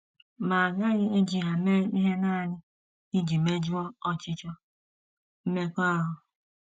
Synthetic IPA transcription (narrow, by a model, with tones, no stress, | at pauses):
ma˨a˨ɡa˦ɣɪ˦e˦d͡ʒi˨ɦa˨me˦i˦ɦe˦na˦˨ɲɪ˦ | i˦d͡ʒi˨me˦d͡ʒɔ˦ɔ˦t͡ʃɪ˦t͡ʃɔ˦ | m̩˦me˦kʷa˦ɦʊ˨